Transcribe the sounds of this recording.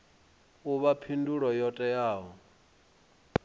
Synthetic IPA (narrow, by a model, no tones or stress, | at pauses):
uβapʰinduɺɔjɔtʼɛjaːɦɔ